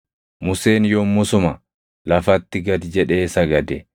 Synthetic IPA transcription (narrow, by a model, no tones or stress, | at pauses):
mʊse̞ːnjomːʊsʊmɐ | lɐfɐt̪ːɪɡɐd̪d͡ʒɛᶑe̞ːsɐɡɐd̪ɛ